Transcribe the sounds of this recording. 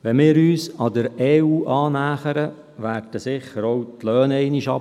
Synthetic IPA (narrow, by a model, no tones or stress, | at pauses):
ʋɛmɪːɾyːsɑd̪əɾɛːuːʔɑːnæːχəɾə | ʋæːrd̥əsɪχːəɾowtlœːnɛɪniʃɑ̰